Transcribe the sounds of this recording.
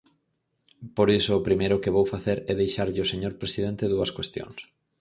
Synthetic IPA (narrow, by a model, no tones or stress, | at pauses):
poɾisʊːpɾimejɾʊkɪβowfaθeɾɛðejʃaɾʎɪʊseɲoɾpɾesið̞ẽnt̪ɪðuɐskwest̪jõ̰ŋs